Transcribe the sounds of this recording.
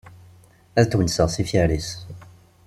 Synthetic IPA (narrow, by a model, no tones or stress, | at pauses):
æðt̪ːwənsəʁsifjæɾis